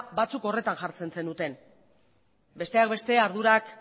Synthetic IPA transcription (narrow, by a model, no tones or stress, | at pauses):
bat͡suko̞re̞t̪anʝaɾt͡se̞nse̞nd̪ut̪e̞n | be̞st̪eak̚be̞st̪e̞aɾð̞uɾak